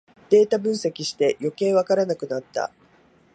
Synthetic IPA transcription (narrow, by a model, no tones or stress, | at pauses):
d̪̥e̞ːt̪abɯ̟̃ɰ̃sekʲiɕi̥t̪e̞jo̞ke̞ːβakaɾanakɯ̟nat̪ːa̰